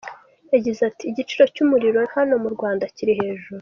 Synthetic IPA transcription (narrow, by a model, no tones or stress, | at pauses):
jaɟizatiːɟit͡ʃiɾo̞cumuɾiɾo̞hano̞muɾɡwaːndaciɾiɦe̞ːʒuɾu